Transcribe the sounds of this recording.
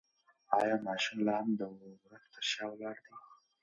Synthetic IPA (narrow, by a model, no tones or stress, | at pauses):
ɑjɑmɑʃumlɑhamd̪əɾazt̪ʰəɾʃɑwlɑɾd̪i